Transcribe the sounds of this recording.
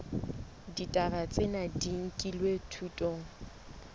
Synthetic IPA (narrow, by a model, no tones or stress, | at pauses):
ditʼabat͡sʼɪnadiŋ̩kʼilwetʰutʼoːŋ̩